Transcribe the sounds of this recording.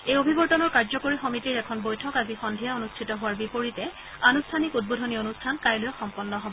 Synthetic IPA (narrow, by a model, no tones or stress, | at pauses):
ejobʱibɔɹtɔnɔɹkaɹzɔkoɹixɔmitiɹɛkʰɔnbojtʰɔkazixɔndʱijaonustʰitɔɦʊwaɹbipoɹitɛ | anustʰanikut̚bodʱɔnionustʰankajlʊjɔxɔmpɔnːɔɦɔbɔɔ